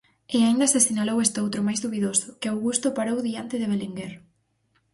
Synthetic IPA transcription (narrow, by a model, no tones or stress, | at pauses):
ɪaind̪ɐsesinalowest̪owt̪ɾomajzðuβiðosʊkeawɣust̪opaɾowðiant̪ɪðeβ̞eliŋɡeɾ